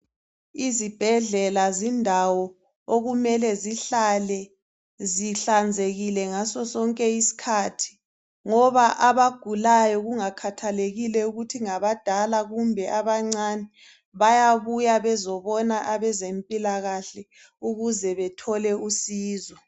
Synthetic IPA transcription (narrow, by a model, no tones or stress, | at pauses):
izib̥ʱɛɮɛlazindʱawɔ | oɣumɛlɛziɬalɛ | ziɬand͡zʱeɣilɛŋasɔsɔŋkʼɛisi̥kʰatʰi̥ | ŋɔβaʔaβaɡ̥ʱulajɔɣuŋakʰatʰaleɣilɛuɣutʰiŋaβad̥ʱalaɣumbʱɛʔaβaŋ͡ǀanɛ | βajaβujaβɛzɔβɔnaʔaβɛzempʼilaɣaɬɛ | uɣuzɛβɛtʰɔlɛusiːzɔ